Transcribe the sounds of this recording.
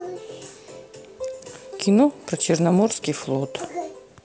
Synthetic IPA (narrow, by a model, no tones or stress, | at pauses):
kʲʰɪnopɾɐt͡ɕɪrnɐmorskʲɪjflˠɔt̪